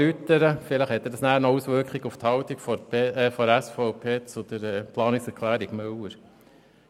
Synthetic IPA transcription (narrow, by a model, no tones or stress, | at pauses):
yt̪ːəɾəfɪləχhɛt̪ːəd̥ɑsnæːɾnɔusʋøɾkχɪɡʊft̪hɑʊt̪ikfɔfɔɾæsfɔʊpʰeːt͡sod̪əɾɛːpʰlɑːnɪksɛɾkʰlæːɾɪɡmœwəɾ